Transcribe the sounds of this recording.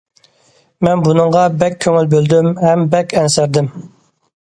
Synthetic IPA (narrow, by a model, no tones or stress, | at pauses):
mɛnbunɨɴʁɑbɛkʲʰːøŋylbøld̪ymɦɛmbɛkʲʰɛnsæɾd̪ɪm